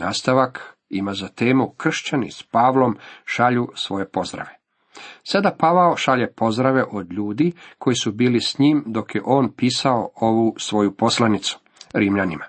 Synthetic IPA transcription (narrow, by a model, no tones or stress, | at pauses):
aːst̪aʋak | imazat̪e̞ːmukr̩ʃt͡ɕanḭspaːʋlo̞mʃaʎusʋo̞je̞po̞zd̪ɾa̰ʋe̞ | sad̪apaʋaoʃaʎepo̞zd̪ɾaʋe̞ʔo̞d̪ʎuːd̪ikʰo̞jisubiːlisɲiːmd̪o̞kjeʔo̞ːnpiːsaooʋusʋo̞jupo̞slˠanit̪su̥ | ɾiːmʎanima